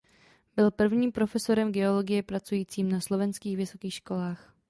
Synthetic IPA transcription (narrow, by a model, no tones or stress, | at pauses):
bɪlpr̩vɲiːmpɾo̞fɛso̞ɾɛmɡɛo̞lo̞ɡɪjɛpɾat͡sujiːt͡siːmnaslo̞vɛnskiːxvɪsokiːxʃko̞laːx